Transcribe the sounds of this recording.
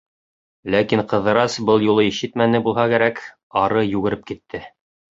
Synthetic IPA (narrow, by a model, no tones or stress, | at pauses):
lækiɴqɤ̆ðɤ̆ɾɑsbɤlˠjulˠɤiʃɘt̪mænɘbulˠɦɑkæɾæk | ɑɾɤjʉɣɘ̆ɾɘp̚kit̪ʰːɘ